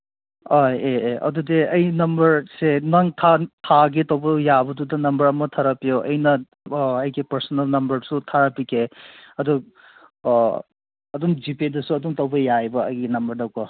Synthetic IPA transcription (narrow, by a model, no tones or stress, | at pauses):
ojeeʔɐ̰dudeɐjnɐmbɐɾsenaŋtʰatʰaɡitɐwbɐjabɐdudɐnɐmbɐɾɐmɐtʰaɾapijoʔɐjnɐ | ɐjɡipɐɾsɔnɐlnɐmbɐɾsutʰaɾapikʰeɐdu | ɐduŋd͡ʒipidɐsuɐduŋtɐwbɐjajbɐɐ̰jɡinɐmbɐɾdɐwkɔ